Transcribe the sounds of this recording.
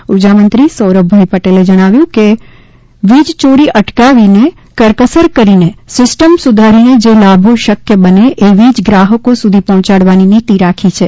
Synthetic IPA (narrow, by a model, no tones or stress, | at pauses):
ud͡ʒamənt̪ɾisəwɾəbʱaipəʈeled͡ʒəɽ̃aʋjũke | ʋid͡ʒt͡ʃoɾiʔəʈkaʋine | kəɾkəsəɾkəɾinesɪsʈəmsud̪ʱaɾined͡ʒelabʱoʃəkjəbəneʔeʋid͡ʒɡɾaɦəkosud̪ʱipɔɦɔ̃t͡ʃaɽʋaninit̪iɾakʰit͡ʃʰe